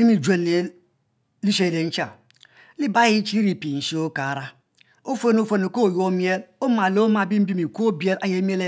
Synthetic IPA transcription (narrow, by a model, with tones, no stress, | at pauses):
li˦mi˨d͡ʒe˦˨n˨e˨˦ | li˦se˨ɾe˨n̩˦t͡ʃa˨ | li˦ba˦ji˦t͡ʃi˦ɾi˨pi˨n̩˨si˦o˦ka˨ɾa˦ | o˦fo˦n˦o˦fo˦no˨ko˦˨jo˦mje˦lo˦ma˨lo˦ma˨bi˦m̩˦bi˦mi˨ko˦bi˦e˦la˦je˦m˦e˦le˦